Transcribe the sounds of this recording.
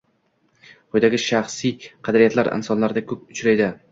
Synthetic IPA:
qojd̪aɡʲɪʃaχsijqʰɑd̪aɾɪjat̪ʰlaɾɪ̰nsɒnlaɾd̪akʲʰɵp̚ʊt͡ʃɾajd̪ɪ

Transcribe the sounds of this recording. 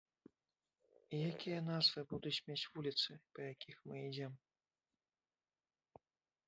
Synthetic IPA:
ijakʲijɐnazvɨbud̪ut͡sʲmʲet͡sʲvulʲit̪sɨpɐjakʲixmɨid͡zʲɛm

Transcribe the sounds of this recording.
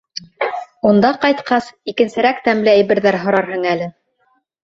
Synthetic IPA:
und̪ɑqɑjt̪qɑsikɘ̆nsɘ̆ɾækt̪æmlɘæjβɘ̆ɾðæɾɦŏɾɑɾɦɤ̆ŋælɘ

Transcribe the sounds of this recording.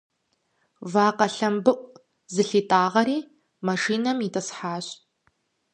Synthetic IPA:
vaːqɐɬɐmbɨʔʷʼ | zɨɬiːtʼaːʁɐɾiː | mɐʂiːnɐmitʰʼɐsħaːɕ

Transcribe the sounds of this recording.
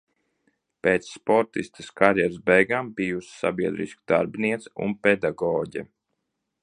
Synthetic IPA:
peːt̪sːpɔɾt̪ist̪ɨ̥skaɾjɛɾzbɛjɡaːmbijussa̰bʲiɛd̪ɾḭskd̪a̰ɾbniɛt̪sṵnpɛd̪aɡɔːɟɛ̰

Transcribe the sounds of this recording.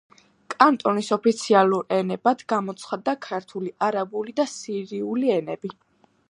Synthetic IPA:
kʼant̪ʼɔnisɔpʰit̪sʰialˠuɾɛnɛbad̪ɡamɔt̪sʰχad̪ːakʰaɾt̪ʰuliʔaɾabulid̪asiɾiuliɛnɛbi

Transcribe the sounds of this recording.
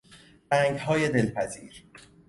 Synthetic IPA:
b̥æːŋɡhɒːjed̪e̞lpʰæziːɾ

